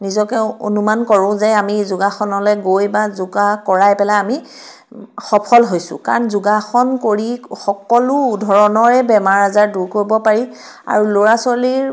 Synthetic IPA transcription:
nizɔkɛo̰numankɔɹʊ̃zɛamizʊɡaxɔnɔlɛɡojbazʊɡakɔɹajpɛlaami | xɔpʰɔlɦojsʊ̰̃kaɹɔnzʊɡaxɔnkoɹixɔkɔlʊdʱɔɹɔnɔɹɛbɛmaɹazaɹduɹkoɹibɔpaɹi | a̰ɹuloɹasɔliɹ

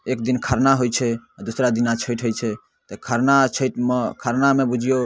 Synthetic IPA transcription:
ek̚d̪inkʰəɾnaɦojt͡ʃʰɛad̪usɾad̪inat͡ʃʰəjʈʰɦojt͡ʃʰɛ | t̪ɔkʰəɾnat͡ʃʰəjʈmkʰəɾnamebud͡ʒʱijo

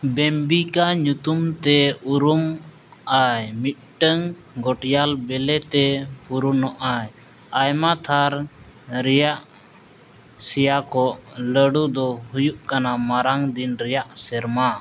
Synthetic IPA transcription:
bɛmbikaɲut̪umt̪ɛuɾum | ajmit̪̚ˀʈəŋ | ɡɔʈjalbɛlɛt̪ɛpuɾunɔʔaj | ajmat̪ʰaɾ | ɾɛjaʔ | sɛjakɔʔləɽud̪ɔhujuʔkanamaɾaŋd̪inɾɛjaʔsɛɾma

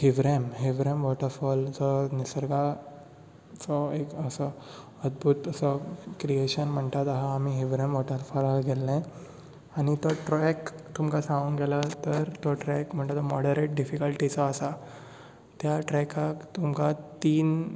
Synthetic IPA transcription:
hiʋɾemɦiʋɾemʋɔʈəɾfɔld͡zɔnisəɾɡa | t͡sɔekəsə | əd̪bʱut̪əsəkɾieɕənm̤əɳt̪at̪aɦaːmiɦiʋɾemʋɔʈəɾfɔlaɡɛlːɛ̃ | añit̪ɔʈɾɔɛkt̪umkasãŋuːnɡɛlat̪əɾt̪ɔʈɾɛkm̤əɳt̪at̪ɔmɔɽəɾeʈ̚ɖifikəlʈit͡sɔːsa | t̪jaʈɾɛkʰakt̪umkat̪iːn

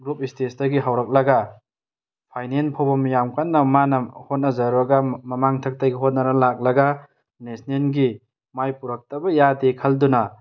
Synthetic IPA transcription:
ɡɾup̚istesdɐɡiɦawɾɐk̚lɐɡa | pʰajnenpʰawbɐmijamkanːɐmanɐhot̚nɐzɐɾuɐɡamɐmaŋtʰɐk̚tajɡiɦot̚nɐɾɐlak̚lɐɡa | nesnenɡi | majpuɾɐk̚tɐbɐjadekʰɐldunɐ

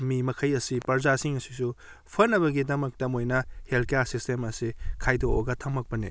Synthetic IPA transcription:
mimɐkʰɐjɐsipɐɾzasiŋɐsi̥su | pʰɐnːɐβɐɡidɐmɐk̚tɐmojnɐhelkejasistemɐsikʰajdooɡɐtʰɐŋmɐk̚pɐnḭ

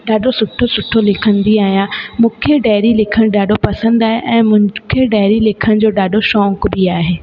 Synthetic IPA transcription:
ɖaːɖosʊʈʰːosʊʈʰːolɪkʰə̃nd̪iaːɦijãmũːkʰeɖɛːɾilɪkʰəɽ̃ɖaːɖopɐsə̃nd̪aːɦeʔɛ̃ːmʊ̃kʰeɖaːɾilɪkʰəɽ̃d͡ʑoːɖaːɖoʃɔ̃ːŋkbiaːɦeː

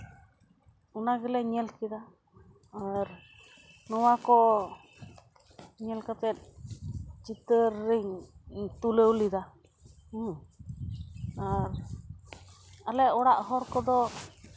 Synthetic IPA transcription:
unaɡeleɲelkid̪a | aɾ | nuwako | ɲelkat̪en | t͡ʃit̪əɾiŋt̪uleulid̪a | aɾ | aleʔoɽaʔɦoɾkod̪o

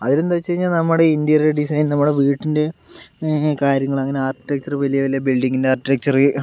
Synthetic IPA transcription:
ɐðinend̪at͡ɕːt͡ɕɐɻiɲːaːlnɐmːuɽe̞ind̪ijɐreɖisɐjnnɐmːuɽe̞ʋiːʈːinde̞ | kaːɾjɐŋːɐɭɐŋːɐneaːrkiʈek̚t͡ɕɐrɨʋɐlijɐʋɐlijɐbilɖiŋɡindeaːrkiʈek̚t͡ɕɐrɨ

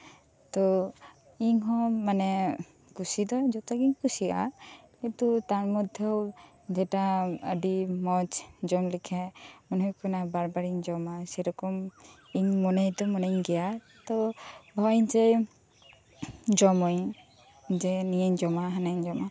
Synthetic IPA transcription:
t̪ɔ | iŋɦɔ̃manɛ | kusid̪ɔd͡ʒɔt̪aɡiɲkusia̰ | kit̪ut̪anmɔd̪ʱjɔw | d͡ʒɛʈaəɖimɔd͡ʒd͡ʒɔmlikʰɛmɔnɔjkɔnabaɾbaɾiŋd͡ʒɔmasɛɾɔkɔm | iŋmɔnajt̪ɔmɔnaŋɡɛja | t̪ɔbʱɔjɲd͡ʒɛ | d͡ʒɔmɔj | d͡ʒɛnijeɲd͡ʒɔmaɦanajɲd͡ʒɔma

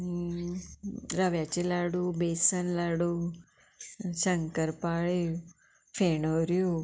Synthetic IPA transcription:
ɾaʋjat͡ʃilaɽubesənlaɽu | səŋkəɾpaɭi | fʰenoɾju

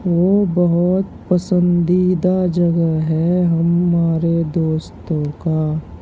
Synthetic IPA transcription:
ʋoːbɐɦʊt̪pɐsə̃nd̪id̪ad͡ʒɐɡəɦɛɦɐmːaːɾed̪oːst̪õka

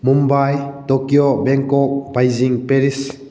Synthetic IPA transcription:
mumbajtokjobeŋkɔk̚b̥ajziŋpeɾis

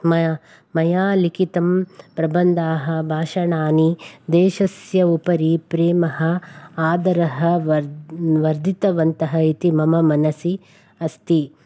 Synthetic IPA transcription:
mɐ | mɐjaːlikit̪ɐmpɾɐbɐnd̪aːɦɐbʱaːʃɐɳaːnid̪eːʃɐsjɐupɐɾipɾeːmɐɦɐaːd̪ɐɾɐɦɐ | ʋɐɾd̪ʱit̪ɐʋɐnt̪ɐɦɐit̪imɐmɐmɐnɐsi | ɐst̪i

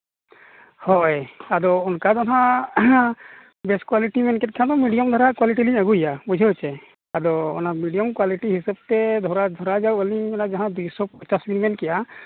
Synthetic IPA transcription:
hɔjad̪ɔɔnkad̪ɔna | bɛskwaliʈimɛnkɛt̪̚kʰand̪ɔmiɖijɔmd̪ʱɔɾakwaliʈiliɲaɡujabud͡ʒʱaɦt͡ʃɛ | ad̪ɔɔ̰nakmiɖijɔmkwaliʈiɦisab̚t̪ɛd̪ʱɔɾad̪ʱɔɾad͡ʒawəliɲɔnad͡ʒaɦãd̪ujsɔpɔɲt͡ʃasmilmɛnkɛja

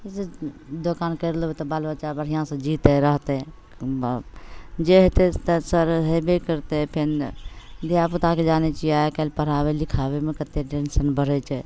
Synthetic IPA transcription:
sed̪okaːnkəɾloet̪ɔbaːlbət͡ʃabəɽ̤ijãsə̃d͡ʒit̪eɾəɦt̪e | d͡ʒeɦet̪et̪səɾɦebekəɾt̪epʰen | d̪ijaput̪aked͡ʒaːnet͡ʃiaekəlpəɾ̤abelikʰabemẽkət̪ːeɖensənbəɾɛt͡ʃʰɛ

